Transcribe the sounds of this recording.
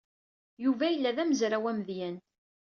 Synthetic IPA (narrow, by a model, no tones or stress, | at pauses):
juvæjəlːæðæməzɾæwæmðjæn